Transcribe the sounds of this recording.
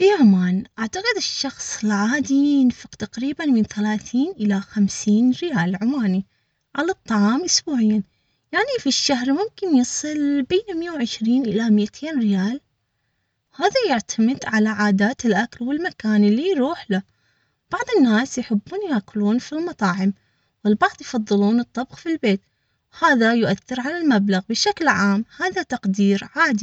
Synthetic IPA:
ʔiʕamaːnʔaʕt̪aqɨðɪʃːɑxsˤɪlʕaːd̪ijɪnfɪqt̪aqɾiːbanmɪnθalaːθiːnʔɪlaxamsiːnɾɪjaːlʕʊmaːni | ʕalɑt̪ˤːɑʕɑːmʔʊsbuːʕɪjːa | jaʕnifiʃːaɦɾmʊmkɪnjɨsˤɨlbeːnɪmɪjawʕɪʃɾiːnʔɪlamɪjt̪ʰeːnɾɪjaːl | haːðajɪʕt̪ʰamɪd̪ʕalaʕaːd̪aːt̪ɪlʔakalwɪlmakaːnɪlːiɾuːħla | b̥ɑʕðˤɨnːaːsjħɪbːuːnjakʊluːnfilmɑt̪ˤɑːʕɪm | wɪlbɑʕðˤjfɑðˤːɨluːnɨt̪ˤːɑbxfilbeːt̪ | whaːðajʊʔaθːɪɾʕalalmablaɣbɪʃaklʕaːmhaːðat̪ɑqd̪iːɾʕaːd̪i

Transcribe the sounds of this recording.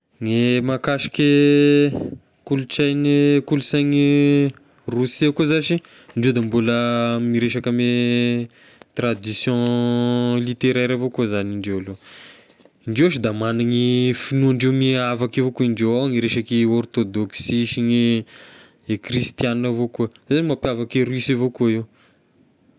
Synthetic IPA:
ŋemakaʃi̥ke | kulut͡sajnikulusajŋi | rusiakozaʃi | ɳɖ͡ʐewd̪ambuləmiɾeʃakame | t̪rad̪isjɔ̃ | lit̪eɾeɾavokozaniɳɖ͡ʐewalo | iɳɖ͡ʐewʃid̪amanaŋifinuaɳɖ͡ʐewmiavakavokuiɳɖ͡ʐewaŋiɾeʃakiɔrt̪od̪oksiʃiŋi | ekrist̪janavokuəz̥aanimapjavakirisavokuaiw

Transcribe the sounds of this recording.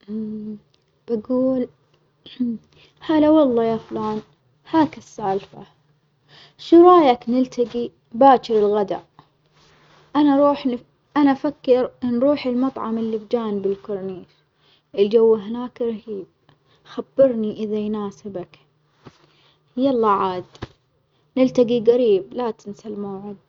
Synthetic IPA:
b̥aɡuːl | haːlawɑlˤːɑːjaːfʊlaːn | haːkɪsːaːlfa̰ | ʃuɾˤɑːjaknɪlt̪aɡi | baːt͡ʃɪɾɪlɣad̪a̰ʔ | ʔanaɾˤuːħn | ʔanafakːɪɾnɾuːħɪlmɑt̪ˤʕɑmɪlːɪbd͡ʒaːnbɪlkʊɾˤniːʃ | ʔɪld͡ʒawːaɦɪnaːkɾˤhiːb̚ | xabːɪɾniʔɪðajnaːsɪbak | jalˤːɑʕaːd̪ | nɪlt̪aɡiɣaɾiːblat̪ɪnsalmaːʕɪd̪̚

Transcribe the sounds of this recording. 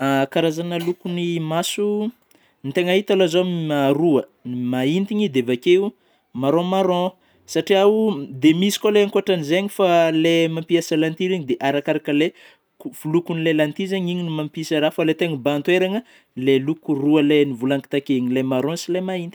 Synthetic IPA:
akaɾazanəlukunimasu | nit̪eŋaɦit̪alozomimaɾuəimaint̪iɲid̪evakeu | maɾõmaɾõ | saʈ͡ʂiaud̪emisi̥koleaŋkoaʈ͡ʂanizeɲifalemampiasalant̪iɾiɲid̪eʔaɾakaɾakəle | uv̥ulukunilelant̪izaɲiɲinimampisaɾafalet̪eŋibant̪weɾaŋə | lelukuruəlenivulaŋki̥t̪akeɲilemaɾõsilemaint̪i̥

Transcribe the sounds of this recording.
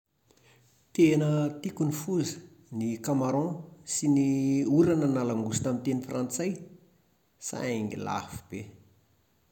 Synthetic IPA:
t̪enət̪ikunifuzə̥ | nikamaɾɔ̃siniuɾanənalaŋɡusi̥t̪amint̪enifrãnt͡saj | sa̰eŋḭla̰fi̥b̥e

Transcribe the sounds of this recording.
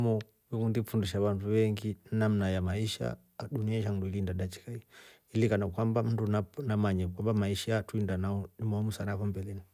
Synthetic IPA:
mɔ | wikundifundiʃaβanduβɛŋɡinam̩najamaiʃa̰ | ɗuniaiʃamduilindaɗat͡ʃi̥kai | ilikanakwambam̩ndunanamaɲakwambamaiʃaatuindanaɔnimɔɔmusanavɔmbɛlɛni

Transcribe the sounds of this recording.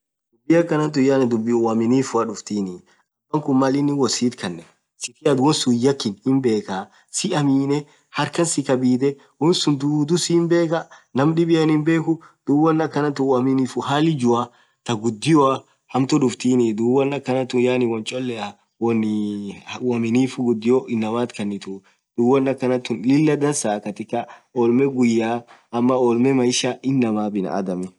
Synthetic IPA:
d̥̪ʊbːɪɐkːɐnɐnt̪̬ʊjaːnɪd̪ʊbːɪwɐmɪniːfʊɐᶑʊft̪iːnɪ | ɐbɐŋkʊmmɐlɪnːɪwɔsiːt̪kɐnːɛ | sɪt̪ɪɐd̪wɔnsʊjɐkːɪnhɪmbe̞ːka | sɪɐmiːnɛ | hɐɾkɐnsɪkɐbiːd̪ɛ | wɔnsʊnd̪ud̪ʊsɪːmbe̞ːkɐnɐmᶑɪbɪjɐnhɪmbe̞ːkʊd̪̥ʊwɐnːɐkːɐnɐt̪ʊwɐmɪniːfʊɦaːlɪd͡ʒʊɐ | t̪ɐɡʊd̪ːɪjɔɐ | hɐmt̪ʊᶑʊft̪iːnɪd̪uwɐnːɐkːɐnɐt̪ːʊnjaːnɪwɐnt͡ʃʼɔlːɛɐ | wɔn | wɐmɪniːfʊɡʊd̪ːɪjɔʔɪnːɐmaːt̪kɐnːɪt̪ʊ | d̪̥uwɐnːɐkːɐnɐt̪ːʊnlɪlːɐd̪ɐnsaːkɐt̪ɪkːɐɔːlmɛɡʊjːaːʔɐmːɐɔːlmɛmɐɪʃaɪnːɐmaːbɪnɐ̰ʔɐ̰d̪ɐmɛ

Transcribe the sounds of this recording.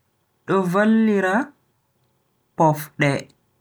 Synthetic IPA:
ɗɔvalːiɾa | pɔfɗɛ

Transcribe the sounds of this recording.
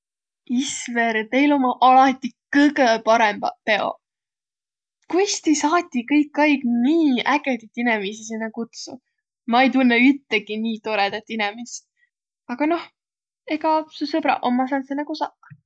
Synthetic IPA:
isveɾt̪e̞jlo̞mɑʔɑlɑt̪ʲːikɤɡepɑɾembɑpe̞o̞̰ | kujst̪isɑːt̪ʲːˑikɤjkːɑjɡniːæɡet̪it̪ːˑinɛmisisinːɑkut̪sṵ | mɑejt̪unːeyt̪ːeɡiniːt̪o̞ɾed̪̥et̪ːˑinɛmis | ɑɡ̥ɑno̞h | e̞ɡɑsusɤb̥ɾɑ̰ʔo̞mːɑsɑːnsenːɑkusɑk

